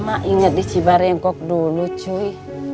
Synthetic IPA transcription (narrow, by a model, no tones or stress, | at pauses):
maʔiŋət̚it͡ʃibaɾɛŋkɔk̚dolot͡ʃoi